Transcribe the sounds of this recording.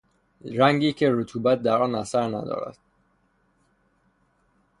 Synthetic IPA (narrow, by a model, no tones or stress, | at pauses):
ɾæŋɟiːcʰe̞ɾot̪ʰuːbæt̪̚d̪æɾɒːnæsæɾnæ̰d̪ɒ̰ːɾæ̰d̪̥̚